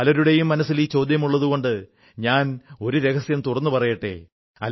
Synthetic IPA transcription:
ɐlɐɾuɽe̞jumːɐnɐsːilit͡ɕo̞ːd̪jɐmuɭːɐðuɣo̞ɳɖɨ | ɲaːno̞ɾuɾe̞ɣɐsjɐmt̪urɐnːupɐrɐjɐʈːḛ | ɐ̰l

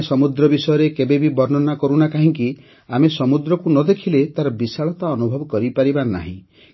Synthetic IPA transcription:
sɔmud̪ɾɔbisɔjɔɾekebebibɔɾnɔnakɔɾunakaɦĩŋki | amesɔmud̪ɾɔkunɔd̪ekʰilet̪aɾɔbisaɭɔt̪aɔnubʱɔbɔkɔɾipaɾibana̰ɦḭ̃

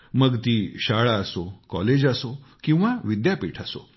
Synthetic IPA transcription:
məɡt̪iːɕaɭaəsokɔ̰led͡ʑaso | kĩw̃ʋaʋid̪japiːʈʰaso̰

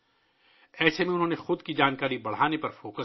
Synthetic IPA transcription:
ɛːsemẽʊnɦõːnexʊd̪kid͡ʒaːnkaːɾibɐɽ̤aːnepɐɾfoːkə

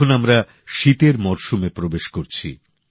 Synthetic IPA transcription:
onamɾa | ʃit̪eɾmɔɾʃumepɾobeʃkoɾt͡ɕʰḭ

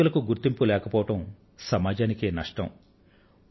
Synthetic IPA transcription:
ulɐkuɡuɾt̪ːimpulɛːkɐpɔːʋɐʈɐm | sɐmaːd͡ʒaːnikeːnɐʂʈɐ̰m

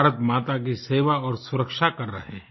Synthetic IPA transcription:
ɾət̪maːt̪ak̬iseːʋaɔːɾsʊɾəkʃakɐɾːɐ̰ɦeɦɛ̃

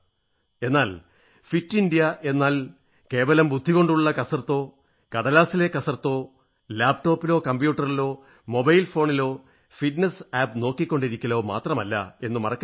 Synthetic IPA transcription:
e̞nːaːl | fitːinɖijɐʔe̞nːaːl | ke̞ːʋɐlɐmbud̪ʱːiɣo̞ɳɖuɭːɐkɐsɐrt̪ːo̞ː | kɐɽɐlaːsilekɐsɐrt̪ːo̞ː | laːbʈo̞ːpːilo̞ːkɐmbjuːʈːɐrilo̞ː | mo̞bɐjlfo̞ːɳilo̞ː | fiʈnesaːbno̞ːkːikʲːo̞ɳɖiɾikʲːɐlo̞ːma̰ːt̪rɐmɐlːɐ̰e̞nːumɐrɐkː

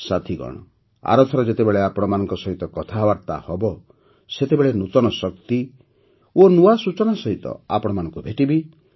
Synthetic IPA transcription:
sat̪ʰiɡɔ̰ɽ̃ɔ̰ | a̰ɾɔt̪ʰɔɾɔd͡ʒet̪ebeɭeapɔɽ̃ɔmanɔŋkɔsɔɦit̪ɔkɔt̪ʰaɦɔbaɾt̪a̰hɔbɔ | set̪ebeɭenut̪ɔnɔsɔkt̪i | onuasut͡ʃɔnasɔɦit̪ɔ̰a̰pɔɽ̃ɔmanɔ̃ŋkubʱeʈibi

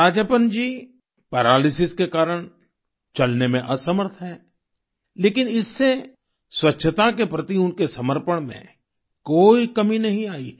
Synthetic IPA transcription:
aːd͡ʒəpənd͡ʒiː | pɛːɾaːlɪsɪskekaːɾəɽ̃ | t͡ʃɐlnemẽʔɐsəməɾt̪ʰɦɛː | leːkɪnɪsːe | swɐtːʃʰət̪ak̬epɾɐt̪iʊnkesɐməɾpəɽ̃mḛ̃ | koːikɐminɐɦĩaːiː

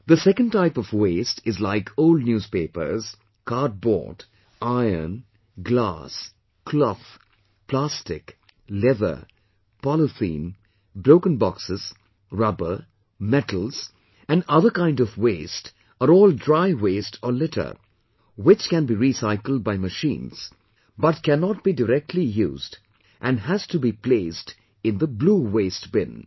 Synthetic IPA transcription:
d̪əsɛkə̃nʈaɪpɔvweːstʰɪzlaɪkʰoʊlɖ̚njuːz̥peɪpə̰z̥ | kaɾt̚bɔ̰ːt | ʔaɪə̰n | ɡla̰s | kʰlɔf | pʰlæstɪk | lɛvə̰˞ | pɔləθḭ̃n | bɾoʊkə̃nbɔksɪz̥ | ɹʌbə | mɛtl̩ˠz̥ | æ̃nʌðə˞kãɪ̃ndɔvweɪst | ʔəɾɔːlˠdɹaɪweɪstʰəlɪɾʰə̰˞ | wɪt͡ʃkæ̃nbiɹisaɪkl̩ˠd̚baɪməʃḭ̃ːnz̥ | bʌtkænɔt̚b̥idəɾɛk̚tʰˡlijṵːzd | ʔæ̃nɦæz̥tubipleɪst | ɪ̃nðəbluːweɪst̚b̥ɪ̰̃n

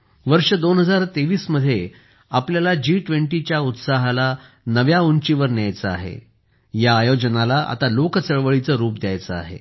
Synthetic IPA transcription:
ʋəɾʂəd̪onɦəd͡zaɾt̪eʋiːsməd̪ʱːje | apljalad͡ʑiːʈʋeɳʈit͡ɕjaut̪saɦala | nəʋjaont͡ɕiʋəɾnjajt͡səaɦḛ | jaːjod͡ʑənalaʔa̰t̪alokət͡səɭʋəɭit͡səɾuːp̚d̪jajt͡səa̰ɦḛ

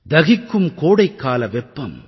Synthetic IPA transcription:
d̪ɐɣɪkːɯmkoːɽɐɪkːaːlɐʋɛpːɐm

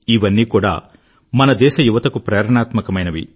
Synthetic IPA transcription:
iʋɐnːiːkuːɽa̰ː | mɐnɐd̪ɛːʃɐjuʋɐt̪ɐkupɾɐːɾɐɳaːt̪mɐkɐmɐjnɐʋḭ

